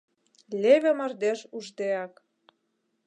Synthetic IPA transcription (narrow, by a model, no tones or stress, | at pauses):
lʲeβʲĕmə̆rd̪eʃuʒd̪eɑk